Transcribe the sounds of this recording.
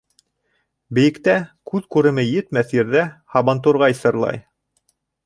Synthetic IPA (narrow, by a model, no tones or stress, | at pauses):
bɘ̆jɘ̆kt̪ækʉðkʉɾɘ̆mɘjɘ̆t̪mæθjɘ̆ɾðæhɑβɑnt̪uɾʁɑisɤ̆ɾlˠɑ̰j